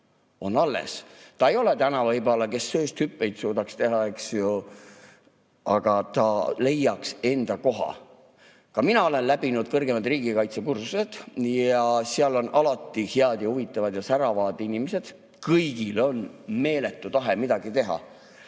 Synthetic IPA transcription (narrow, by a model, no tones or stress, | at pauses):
o̞nɑlːḛst̪ɑe̞jo̞let̪ænɑvɑjbɑlɑke̞sːøːst̪hypːˑe̞jt̪suːd̪ɑkst̪e̞ɦɑeksjo | ɑɡ̥ɑt̪ɑle̞jːɑkse̞nd̪̥ɑko̞ɦɑ̰ | kɑminɑo̞le̞nlæb̥inud̪̥kɤrɡe̞mɑd̪riːɡ̥ikɑjt̪sekursuse̞d̪̥jɑseɑlo̞nʔɑlɑt̪ˑːiheɑd̪̥jɑhuvit̪ːˑɑvɑd̪jɑsæɾɑvɑːd̪̥inimese̞d̪̥ | kɤjɡ̥ilo̞nme̞ːle̞t̪ˑːut̪ɑɦemid̪̥ɑɡ̥it̪e̞ɦɑ̰